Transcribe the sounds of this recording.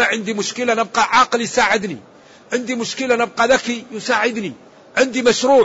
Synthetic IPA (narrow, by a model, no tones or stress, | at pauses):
æʕənd̪imʊʃkəlanəb̚qɑʕɑqəljsaʕəd̪nḭ | ʕənd̪imʊʃkəlanəb̚qɑd̪ækijʊsaʕəd̪ni | ʕənd̪imæʃɾuː